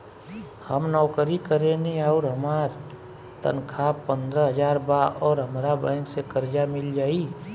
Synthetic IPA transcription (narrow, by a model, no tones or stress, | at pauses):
həmnɔːkəɾikəɾẽniaʊɾɦəmaːɾ | t̪ə̰nkʰapə̃nd̪ɾəɦəd͡ʒaːɾbaʔɔːɾɦəmɾabə̃ɪnsekəɾd͡ʒamɪld͡ʒaːi